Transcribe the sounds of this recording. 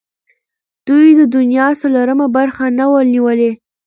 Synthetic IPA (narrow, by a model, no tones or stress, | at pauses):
d̪̥ujd̪əd̪ʊnjɑsalaɾəmabaɾxanawəlniwəle